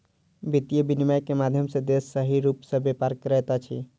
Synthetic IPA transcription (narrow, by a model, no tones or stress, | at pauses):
bit̪ijəbinimajkemad̪ʱjəmsẽd̪esːəɦiɾupsəbepaɾkəɾɛt̪at͡ʃʰḭ